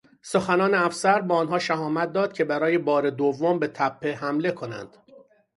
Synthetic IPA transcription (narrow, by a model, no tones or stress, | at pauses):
soxænɒːneæfsæɾbɒːnɦɒːʃæɦɒːmæt̪̚d̪ɒːd̪̥cʰe̞bæɾɒːjebɒːɾed̪ovːombe̞t̪ʰæpʰːe̞ɦæmle̞kʰo̞næ̰nd̪̥